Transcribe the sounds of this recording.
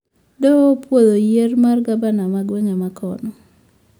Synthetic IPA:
dɔpwod̪ojermarɡabanamaɡweŋamakʰɔ̰nɔ

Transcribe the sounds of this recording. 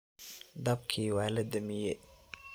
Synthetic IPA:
d̪ɐb̚kʰiːwɑːlɐd̪ɐmɪjɛ

